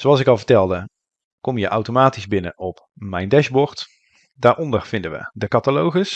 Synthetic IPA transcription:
zoɑlˠsɪkɑlˠvəɹtɛlˠdə | kɔmjəʔawtomaːtizbɪnə̰ʔɔp | mɛjndɛʃbɔɹt | daːɹʔɔndəɹv̥ɪndəʋə̰dəkɑtalowχəs

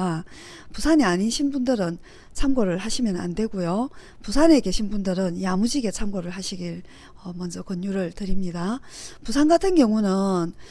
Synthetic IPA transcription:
pusʰaniaɲiɕʰinbundɯɾɯn | t͡ɕʰamɡoɾɯɭhaɕʰimjʌna̰nde̞ɡujo | pusʰane̞ɡe̞ɕʰinbundɯɾɯnjamud͡ʑiɡe̞t͡ɕʰamɡoɾɯɭɦaɕʰiɡiɭ | ʌmʌnd͡ʑʌkʌnjuɾɯɭtɯɾimɲidapusʰanɡatʰɯnɡjʌŋunɯn

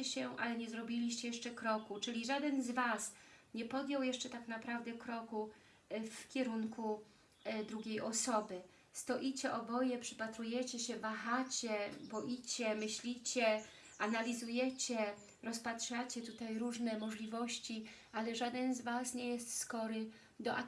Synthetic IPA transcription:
ɛɕɛʔalɛɲɛzɾɔbʲilʲiɕt͡ɕɛjɛʂt͡ʂɛkɾɔkut͡ʂɘlʲiʐad̪ɛnzvasɲɛpɔd̪ʲjɔwjɛʂt͡ʂɛt̪aknapɾavd̪ɛkɾɔku | fkʲɛɾuŋkʰu | d̪ɾuɡʲejɔsɔbɘ | st̪ɔʔit͡ɕɛʔɔbɔjɛpʂɘ̥pat̪ɾujɛt͡ɕɛɕɛvaxat͡ɕɛbɔʔit͡ɕɛmɘɕlʲit͡ɕɛ | analʲizujɛt͡ɕɛ | ɾɔspatʂat͡ɕɛt̪ut̪ajɾuʐnɛmɔʐlʲivɔɕt͡ɕi | alɛʐad̪ɛnzvasɲɛjɛst̪skɔɾɘ | d̪ɔʔa

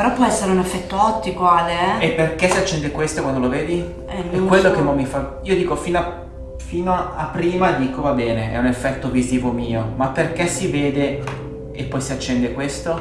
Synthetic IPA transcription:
peɾɔpːwɔɛsːeɾeunefːɛt̪ːoɔt̪ːikoaleɛepːerkɛsiat͡ʃːɛnd̪ekwest̪okwand̪oloveːd̪i | ɛɛkːwellːokemɔmːifa | iːod̪iːkofiːnoa | fiːnoapːɾiːmad̪iːkovabɛːneɛ̰unefːɛt̪ːoviziːvomiːomapːerkesiveːd̪e | epːɔjsiat͡ʃːɛnd̪ekwest̪o

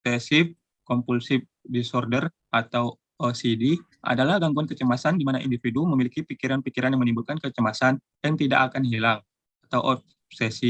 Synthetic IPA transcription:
t̪ɛsɪf | kɔmpulsɪf | disɔrdər | ʔat̪aw | osidi | ʔa̰dalahɡaŋɡuankət͡ʃəmasandimanaʔḭndifiduməmilikipikiɾanpikiɾanjaŋmənimbulkankət͡ʃəmasan | jaŋt̪ida̰ʔːkanhilaŋ | at̪awʔɔp̚ | sesi

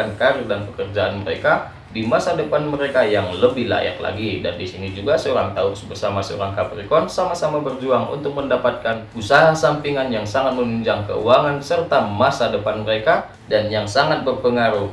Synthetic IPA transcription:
ankaɾɪrdanpəkərd͡ʒaanməɾeka | dimasadəpanməɾekajaŋləbɪhla̰ja̰kla̰ɡida̰ndisinid͡ʒuɡasəoɾaŋt̪aʊksbərsamasəo̰ɾaŋkapɾikɔnsamasamabərd͡ʒuaŋṵnt̪ʊk̚məndapat̪̚kanusaɦasampiŋanjaŋsaŋat̪̚mənuɲd͡ʒaŋkə̰ṵaŋansərt̪amasadəpanməɾeka | danjaŋsaŋat̪̚bərpəŋaɾuh

